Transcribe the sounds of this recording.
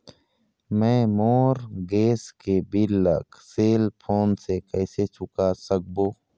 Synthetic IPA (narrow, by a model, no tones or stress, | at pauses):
mɛ̃ːmoːɾɡeːskebilːə̰kseːlpʰoːnsekɛːset͡ʃʊkasək̚boː